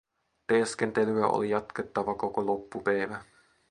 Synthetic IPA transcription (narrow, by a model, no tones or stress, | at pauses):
t̪eskent̪elyæʔo̰lijɑt̪ket̪ːɑʋɑko̞kolopːupæjʋæ